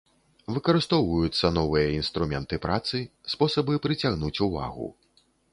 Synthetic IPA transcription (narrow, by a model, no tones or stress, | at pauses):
vɨkɐɾɨst̪ɔwvujut̪sːɐnɔvɨjɐinst̪ɾumʲɛnt̪ɨpɾat̪sɨspɔsɐbɨpɾɨt͡sʲaɣnut͡sʲuva̰ɣṵ